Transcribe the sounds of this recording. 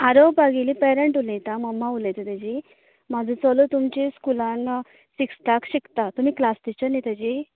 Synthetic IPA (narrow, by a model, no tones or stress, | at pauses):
aɾopbaɡilipɛɾeɳʈulẽt̪aməmːaulet̪ət̪əd͡ʑi | mad͡zʱə̃t͡səlot̪umt͡ɕeskulãn | siksʈakɕikt̪at̪um̤iːklasʈit͡ɕənet̪əd͡ʑi